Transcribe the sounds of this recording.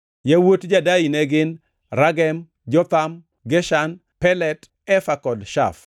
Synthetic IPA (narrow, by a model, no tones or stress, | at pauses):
jawotd͡ʒadainɛɡɪn | ɾaɡɛm | d͡ʒɔt̪am | ɡɛʃan | pɛlɛt | ɛfakɔdʃa̰f